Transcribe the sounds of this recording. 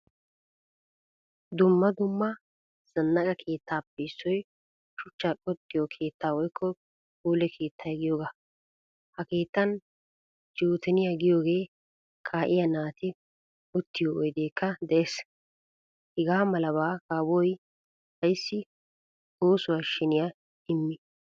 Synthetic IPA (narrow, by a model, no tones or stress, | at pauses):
d̪ʊmːɐd̪ʊmːɐ | z̥ɐnːɐkɐkʰe̞ːt̪ːaːpːɛɪsːɔj | ʃʊt͡ʃːakʼɔt̪ʼːɪjɔkʰe̞ːt̪ːaːwɔjkʰːɔ | kuːlɛkʰe̞ːt̪ːɐjɛɡɪjoːɡaː | hɐke̞ːt̪ːɐn | d͡ʒoːt̪ʰɛnɪjaɡɪjoːɡe̞ː | kʰaːʔɪjɐnaːt̪ɪ | ʊt̪ːɪjoʔɔjd̪eːkːɐd̪ɛʔes | hɛɡaːmɐlɐbaːɡaːbɔj | hɐjsːɪ | oːsʊɐʃːɛnɪja | ɪmːɪ